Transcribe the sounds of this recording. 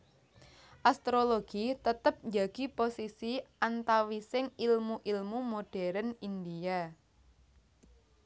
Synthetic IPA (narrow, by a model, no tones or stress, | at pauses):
ʔast̪ɾoloɡ̥it̪ət̪əp̚ɲd͡ʒaɡ̥i̤posisiʔant̪awisɪŋilmuʔilmumoɖ̥ɛɾənind̪ija